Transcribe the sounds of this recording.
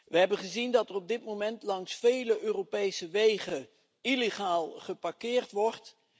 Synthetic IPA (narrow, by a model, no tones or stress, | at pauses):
ʋəɦɛbənχəzindɑtɛrɔb̚dɪtmowmɛntlɑŋsfejləʔøːropejsəʋejχə | ileχaːlˠχəpaɹkɪːɹtʋɔɹt